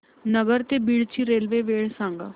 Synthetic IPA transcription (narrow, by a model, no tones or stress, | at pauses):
nəɡəɾt̪eːbiːɽt͡ʃʰiːɾeːlʋeːʋeːɽsãːŋɡa̰ː